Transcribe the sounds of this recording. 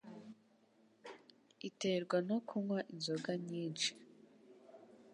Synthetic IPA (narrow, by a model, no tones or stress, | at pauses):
ite̞ɾɡwanokʰumwaʔinzoɡaɲiːnt͡ʃi̥